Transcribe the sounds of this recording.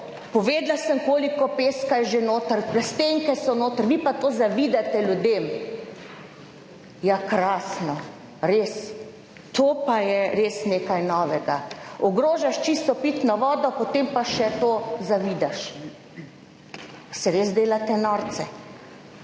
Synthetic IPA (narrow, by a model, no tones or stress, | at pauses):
pɔʋeːd̪lasəŋkoːlikɔpeːskajɛʒenoːt̪aɾplɛst̪eŋkɛsɔnoːt̪aɾʋipat̪oːzaʋiːd̪at̪ɛljʊd̪em | jakɾaːsnɔ | ɾeːs | t̪oːpajɛɾeːsneːkajnɔːʋɛɡaɔɡɾoːʒaʃt͡ʃist̪ɔpiːt̪nɔʋɔːd̪ɔpot̪empaʃɛt̪oːzaʋiːd̪aʃ | sɛɾeːzd̪eːlat̪ɛnɔːɾt̪sɛ